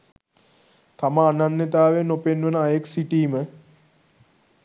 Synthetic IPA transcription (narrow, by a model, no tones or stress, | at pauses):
t̪amaːnanːet̪aːʋenːopenʋənəajeksiʈiːmə